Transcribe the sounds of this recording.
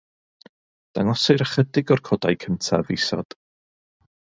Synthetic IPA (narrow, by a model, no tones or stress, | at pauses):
d̥aŋɔsɪɾəχədɪɡɔrkʰɔdajkʰəntʰa̰visɔ̰d̥